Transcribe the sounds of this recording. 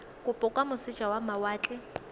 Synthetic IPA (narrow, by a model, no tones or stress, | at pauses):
kʼʊpʼʊkʼwamʊsɪt͡ʃʼawamawaːt͡ɬʼɪ